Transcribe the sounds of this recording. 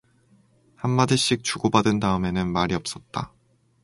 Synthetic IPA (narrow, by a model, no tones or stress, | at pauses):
hamːadɯɕ͈ik̚t͡ɕuɡobadɯndaɯme̞nɯnmaɾiʌp̚s͈ʌt̚t͈a